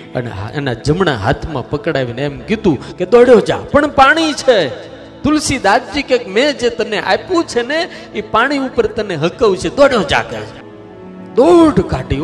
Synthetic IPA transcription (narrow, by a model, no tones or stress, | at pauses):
ə̰nḛɦḛnad͡ʒəmɳa̰ɦa̰t̪ʰmã̰pəkɽaʋineɛmkid̪ũked̪ɔɽjod͡ʒa̰pəɳpaɽ̃it͡ʃʰe | t̪ʊlsid̪ad̪̚d͡ʒikekmɛ̃d͡ʒet̪əneʔa̰pũt͡ʃʰene | ipaɽ̃iupəɾt̪əneɦəkəʋt͡ʃʰed̪ɔɽjod͡ʒa̰kḛ | d̪oɖkaɖi